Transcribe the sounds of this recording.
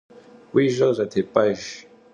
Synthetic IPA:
wiʒozat̪ʰepaʒ

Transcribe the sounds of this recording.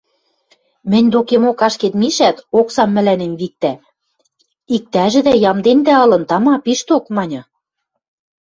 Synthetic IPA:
mɘ̆nʲd̪okemokɑʃket̪miʃæt̪oksɑmːɘ̆lænemβik̚t̪æ | ik̚t̪æʒɘ̆d̪æjɑmd̪end̪æɤ̆lɤ̆nt̪ɑmɑpiʃt̪okmɑnʲɤ̆

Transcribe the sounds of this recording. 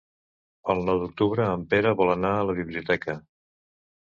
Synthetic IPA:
əlˠnɔwd̪uk̚t̪uβɾəːmpeɾəβɔlˠənaələβiβliut̪ɛkə

